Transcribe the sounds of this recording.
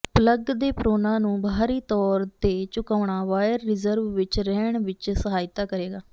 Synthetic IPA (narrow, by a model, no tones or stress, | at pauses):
pləɡd̪eːpɾoːnãːnũːbʱaːɾiːt̪ɔːɾt̪eːt͡ʃʊkaːɳaːʋaːjəɾːɪzəɾʋʋɪt͡ʃɾɛːɳʋɪt͡ʃsəɦaːjɪt̪aːkəɾeːɡaː